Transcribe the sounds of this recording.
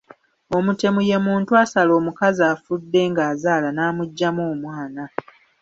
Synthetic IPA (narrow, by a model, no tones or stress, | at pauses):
o̞mute̞muje̞muːntuasalo̞ːmukazaːfudːe̞ːŋɡaːzaːlanaːmuɟːamoːmwaːna